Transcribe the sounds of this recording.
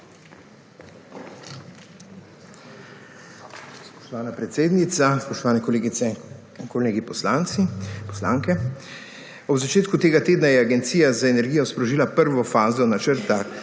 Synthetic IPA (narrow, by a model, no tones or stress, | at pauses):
spɔ̥ʃt̪ɔʋaːnapɾɛt̪seːd̪nit̪saspɔʃt̪ɔʋaːnɛkɔleɡit̪sɛ | kɔleːɡipɔslant̪sipɔ̥slaːŋkɛ | ɔbzat͡ʃeːt̪kut̪eːɡat̪eːd̪najɛaɡɛnt̪sijazaenɛɾɡijɔspɾɔʒiːlapəɾʋɔfaːzɔnat͡ʃəɾt̪a